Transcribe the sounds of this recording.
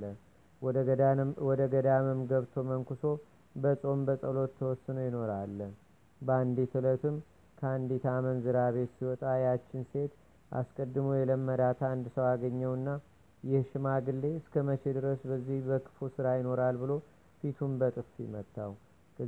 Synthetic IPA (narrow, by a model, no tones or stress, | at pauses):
ə | wɔd̪əɡəd̪aməmɡəβt̪ʰo̞məŋkɨso̞ | bəsʼo̞mbəsʼəlo̞t̪ʰːəwɔsːɨnojɪno̞ɾalːə | bəand̪it̪ʰɨlət̪ʰɨm | kʰəand̪it̪ʰamənzɨɾaβe̞t̪siwɔt̪ʼajat͡ʃːɪnse̞t̪ | ʔa̰skʼəd̪ːɨməwjɛləmːəd̪at̪ʰand̪ɨsəwaɡəɲːəwɨnːa | jɪhʃɪmaɡɨlːe̞ɨskʰəməʃed̪ɨɾəsbəzːihbəkʰɨ̥fusɨɾajɪno̞ɾalbɨlo̞ | fit̪ʰunbət̪ʼɨft̪mət̪ʰːaw | kʰə